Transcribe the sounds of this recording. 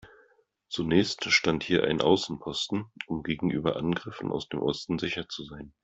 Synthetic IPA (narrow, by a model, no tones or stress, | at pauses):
t͡sunɛːçstʃtanthiːɐʔa̰ɪnʔa̰ʊsn̩pʰɔstn̩ʔʊmɡeːɡŋ̩ʔyːbɐʔanɡʁɪfn̩ʔa̰ʊsd̥eːmʔɔstn̩zɪçɐt͡suzaɪn